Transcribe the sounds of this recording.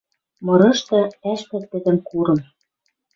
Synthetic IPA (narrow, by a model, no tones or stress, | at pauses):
mɤ̆ɾɤ̆ʃt̪ɤ̆æʃp̪ɘ̆t̪ːɘ̆d̪ɘ̆mkuɾɤ̆m